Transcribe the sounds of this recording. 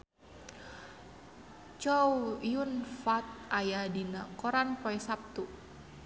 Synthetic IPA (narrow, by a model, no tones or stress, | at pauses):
t͡ʃɔuijunfat̪̚ajahdinakoɾankɔɛsap̚t̪u